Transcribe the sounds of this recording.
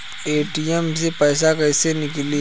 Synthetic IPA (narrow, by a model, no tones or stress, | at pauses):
eːʈiɛms̬epɛːsakɛːsenɪkli